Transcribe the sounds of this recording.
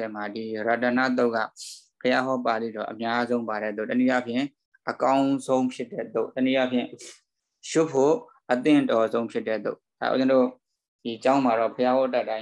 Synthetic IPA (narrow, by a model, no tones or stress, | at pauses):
ɛm̥adiɹatãna̰t̪̬oʊʔkːä̰pʰəjaɦɔpad̪ðḭɔ̰ʔəmjazõʊ̃mpaɾɛ̰t̪o̰tənijapʰjɪ̃ | ʔəkãʊ̃zʰõʊ̃pʰjɪtːɛ̰t̪oʔtənijapʰjɪ̰̃ | ʃʊpʰːo | ʔət̪ɪ̃tɔzõʊ̃pʰjɪtːɛ̰t̪o̰ʔd̥a̰ʔṵzɪ̃ndo | d̥it͡ɕãʊ̃maɾɔpʰəjahɔtatːã